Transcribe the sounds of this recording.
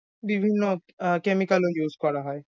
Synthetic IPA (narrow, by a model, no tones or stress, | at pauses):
bibʱinːo | kemikalojuzkɔɹaɦɔe